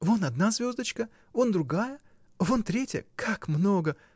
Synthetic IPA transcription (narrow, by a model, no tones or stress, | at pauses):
vonɐd̪̚nazʲvʲo̞zd̪ət͡ɕkə | vond̪ɾʊɡajə | vont̪ɾʲetʲɪjə̰kʰakmno̞ɡə